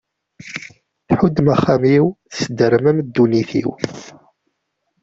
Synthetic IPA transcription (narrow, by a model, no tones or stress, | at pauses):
θħud̪ːmaχːæmiwθsəd̪əɾmæmd̪ːuniθḭw